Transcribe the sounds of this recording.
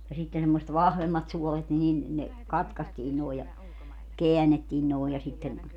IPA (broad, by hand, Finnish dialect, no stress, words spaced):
jɑ sitːen semːoset ʋɑhʋemːɑt suolet ni nin ne kɑtkɑstiː noˑe jɑ keænetːiːn noˑe jɑ sitːen